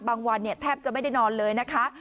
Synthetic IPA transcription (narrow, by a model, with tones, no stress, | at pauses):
baː˧ŋwa˧nːi˥˩ɐt̪ʰɛː˥˩p̚t͡ɕa˨˩ʔma˥˩jda˥˩jnɔː˧nlɤː˧jna˦˥kʰa˦˥ʔ